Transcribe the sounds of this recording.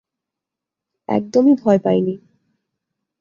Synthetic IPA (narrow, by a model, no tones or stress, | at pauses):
ɛ̰k̚d̪omibʱɔepajni